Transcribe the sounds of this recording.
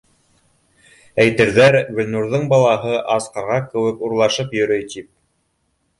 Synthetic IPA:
æjt̪ɘ̆ɾðæɾɡɵ̆lʲnuɾðɤɴbɑlˠɑɦɤʔɑsqɑɾʁɑkɘ̆wɘkuɾlˠɑʃɤpjɵ̆ɾɵjt̪ip̚

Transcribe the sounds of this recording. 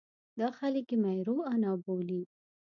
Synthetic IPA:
d̪ɑxaləkimajɾoanɑboli

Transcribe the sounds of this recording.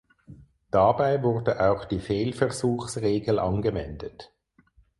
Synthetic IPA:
d̥abaɪvʊʁdəʔaʊxd̥iːfeːlfɛɐzuːxsʁeːɡl̩ʔɑ̰nɡəvɛndət

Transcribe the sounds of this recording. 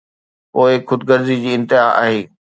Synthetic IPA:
poːɪxʊd̪ɡəɾzid͡ʑiːɪ̃nt̪ɪɦaːa̰ːɦeː

